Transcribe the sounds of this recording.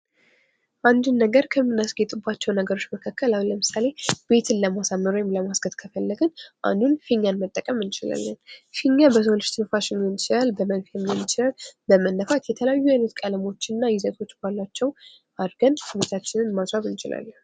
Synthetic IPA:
ʔand̪unːəɡəɾkʰəmːɨnːasɡet̪ʼubːat͡ʃːɛwnəɡəɾo̞t͡ʃːməkʰakːəlawləmɨsale̞b̥e̞t̪ʰɨnləmasamːəɾojɛmləmasɡət̪kʰəfəlːəɡənʔa̰nd̪unfiɲːanmət̪ʼːəkʼəmɨnt͡ʃɪla̰lːənfiɲːabəsʰolɨʃt̪ʰɨnfaʃɪnɛnt͡ʃɪlalbəmənfjɛmːjɛnt͡ʃɪlalbəmənːəfat̪jɛt̪ʰələjajːuajnət̪kʼələmo̞t͡ʃːɨnːajɪzət̪ʰo̞t͡ʃːbalːat͡ʃːɛw | ʔad̪ɡənsɨβet̪ʰat͡ʃːɪnɨnmasɾaβɨnt͡ʃɪla̰lːə

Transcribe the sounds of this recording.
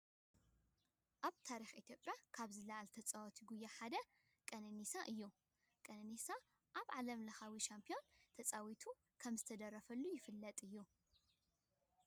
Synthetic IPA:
ʔaβt̪ʰaɾixʔit̪ʰjo̞pʼjakʰaβzɨlɐʕalt̪ʰɐt͡sʼawɔt̪ʰiɡujːaħad̪ɐ | kʼɐnɨnisaʔɨjːu | kʼɐnɨnisa | ʔaβʕalɐmlɐxawiʃampʰio̞nt̪ʰɐt͡sʼawit̪ʰu | kʰɐmzɨt̪ʰɐd̪ɐrːɐfɐlːujɪfɨlːɐt̪ʼɨjːu

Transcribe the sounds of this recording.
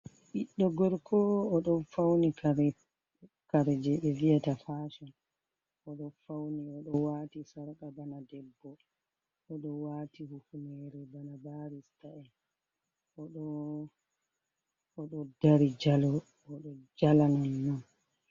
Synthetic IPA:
ʔiɗːɔɡɔɾkʰɔɔɗɔnfawnikaɾ | kaɾd͡ʒɛɓɛviatafaːʃɔn | ʔɔɗɔfawniɔɗɔwaːtisaɾkabanadɛbːɔ | ʔɔɗɔwaːtihufunɛɾɛbanabaɾistaɛ | ʔɔɗɔ | ɔɗɔdaɾid͡ʒalɔː | ɗɔd͡ʒalananːan

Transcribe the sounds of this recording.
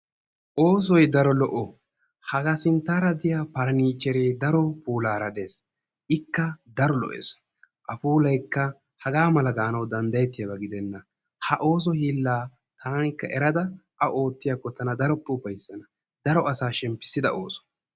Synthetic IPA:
ʔo̞ːs̬ɔjd̪ɐɾɔlɔʔɔ | hɐɡasɪnt̪ːaːɾɐd̪ɪjapɐɾɐniːt͡ʃːɛɾeːd̪ɐɾɔpuːlaːɾɐd̪e̞ːs | ʔɪkːɐd̪ɐɾɔlɔ̰ʔḛːs | ʔɐpuːlɐjkːɐ | hɐɡaːmɐlɐɡaːnɐwd̪ɐnd̪ɐjɛt̪ːɪjɐbɐɡɪd̪ɛnːɐ | hɐʔo̞ːs̬ɔhiːlːaː | t̪ʰaːnkːɐʔɛɾɐd̪ɐʔɐʔo̞ːt̪ːɪjakːɔt̪ɐnɐd̪ɐɾɔpʼːuːpɐjsːɐnɐ | d̪̥ɐɾɔɐsaːʃɛmpːɪ̥sːɪd̪ɐ̰o̞ːsɔ̥

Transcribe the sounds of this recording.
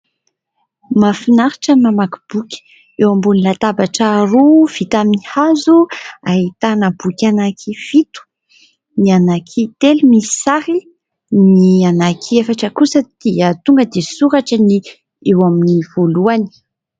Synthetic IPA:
mafinaɾiʈ͡ʂəmamaku̥b̥ukʲi̥ | ewambunilat̪abaʈ͡ʂaɾuv̥it̪aminihazuaɦit̪anəbukʲanakʰifit̪u̥ | nianakʰit̪elumii̥saɾi | nianakʰiefaʈ͡ʂəkusəd̪̥iət̪uŋɡəd̪esuɾaʈ͡ʂəni | ewaminiv̥oluani̥

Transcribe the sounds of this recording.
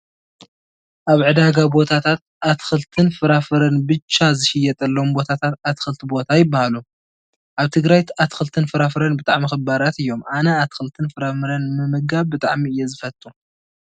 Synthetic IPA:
ʔaβʕɨd̪aɡabo̞t̪ʰat̪ʰat̪̚ʔat̪xɨlt̪ʰɨnfɨɾafɨɾɐnbɨt͡ʃːazɨʃɪjɛt̪ʼɐlːɐombo̞t̪ʰat̪ʰat̪at̪xɨlt̪ʰibo̞t̪ʰajɪbːahalu | ʔaβt̪ʰɨɡɾaj̪at̪xɨlt̪ʰɨnfɨɾafɨɾɐnbɨt̪ʼa̰ʕmixɨbaɾat̪ɨjːo̞mʔanɐat̪xɨlt̪ʰɨnfɨɾafɨɾɐnmɨmɨɡaβbɨt̪ʼa̰ʕmiɨjːɛzɨfɐt̪ʼːu

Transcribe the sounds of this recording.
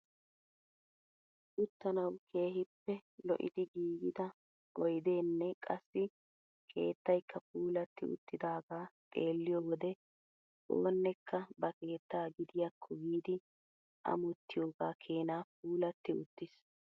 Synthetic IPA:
ʔʊt̪ːɐnɐwkʰe̞ːɦɪpːɛlɔ̰ʔɪ̰d̪ɪɡiːɡɪd̪ɐ | ʔɔjd̪e̞ːnːɛkʼɐsːɪ | kʰe̞̰ːt̪ːɐjkːɐp̚uːlɐt̪ːɪʊ̰t̪ːɪd̪aːɡaːpʼe̞ːlːɪjoːwɔd̪ɛ | ʔo̰ːnːɛkːɐbɐke̞ːt̪ːaːɡɪd̪ɪjɐkʰːɔɡiːd̪ɪ | ʔɐ̰mʊt̪ːɪjo̞ːɡaːkʰe̞ːnaːp̚uːlɐt̪ːɪʊt̪ːɪs

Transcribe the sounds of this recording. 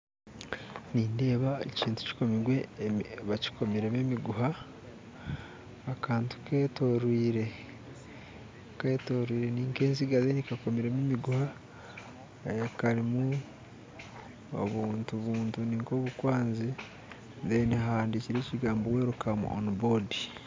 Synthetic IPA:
niːnde̞ːβaḛciːntu̥ci̥ko̞miɡwe̞βaci̥ko̞miɾe̞memiɡuɦa | kʰaːntu̥kʰeːto̞ɾwiːɾe̞ | keːto̞ɾwiːɾe̞niːŋke̞ːnziɡazenikako̞miɾe̞memiɡuha | ekaɾimu | o̰βuːntuβuːntuniːŋko̞ːβukwaːnzi | zeniɦaːndiciɾe̞ːciɡaːmbowe̞ːɾukamṵʔo̰nibo̞di

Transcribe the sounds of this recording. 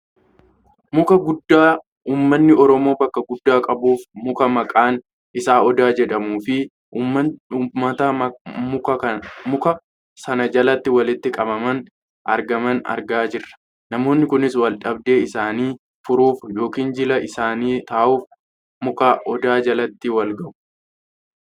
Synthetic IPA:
mʊkɐɡʊd̪ːaː | uːmːɐnːɪɔɾɔmo̞ːbɐkːɐɡʊd̪ːaːkʼɐbuːfmʊkɐmɐkʼaːn | ʔɪsaːʔɔd̪aːd͡ʒɛᶑɐmuːfɪ | mɐt̪ɐ | mʊkɐ | sɐnɐd͡ʒɐlɐt̪ːɪwɐlɪt̪ːɪkʼɐbɐmɐn | ʔɐ̰ɾɡɐmɐnɐ̰ɾɡaːd͡ʒɪrːɐ̥ | nɐmo̞ːnːɪkʊnɪswɐlᶑɐb̚d̪e̞ːɪsaːniː | fʊɾuːfjo̞ːkiːnd͡ʒɪlɐʔɪsaːniːt̪aːʔuːf | mʊkaːʔɔd̪aːd͡ʒɐlɐt̪ːɪwɐlɡɐʔʊ̥

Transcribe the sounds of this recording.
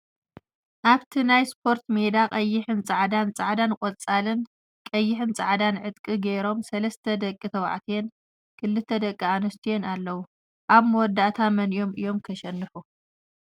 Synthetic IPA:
ʔaβt̪ʰinajspʰo̞ɾt̪med̪aqʼɐjːɪħɨnt͡sʼaʕd̪ant͡sʼaʕd̪ankʼot͡sʼalɨn | kʼɐjːɪħɨnt͡sʼaʕd̪anʕɨt̪̚ʼkʼiɡeɾo̞msɐlɐst̪ʰɐd̪ɐkʼːit̪ʰɐwa̰ʕt̪ʰijen | kʰɨlːɨt̪ʰːɐd̪ɐkʼːianɐst̪ʰijenalːɐwu | ʔaβmwɔd̪ːaʔt̪ʰamɐnijo̞mɨjo̞mkʰɐʃɛnːɨħu

